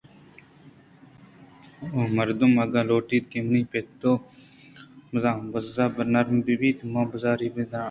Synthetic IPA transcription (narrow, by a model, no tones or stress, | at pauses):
omɐɾd̪umɐɡaloːʈiːt̪̚kemnipet̪ːoː | mɐzaːmbɐzɐbnɐɾmbibiːt̪mãːbɐzaːɾibed̪ãː